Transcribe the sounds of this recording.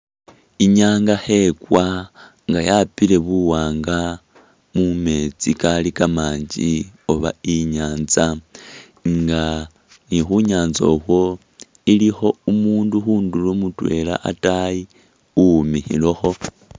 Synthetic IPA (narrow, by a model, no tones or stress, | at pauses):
iɲaːŋɡahe̞kwa | ŋɡajapile̞βuwaːŋɡa | mume̞t͡sikalikamaːɲd͡ʒḭo̞βa̰iɲaːnza | ŋɡa | nixuɲaːnzo̰xwo̞ | ilixo̞umuːnduxuːndulomutwe̞̰la̰ʔa̰taji | umixḭloxo̞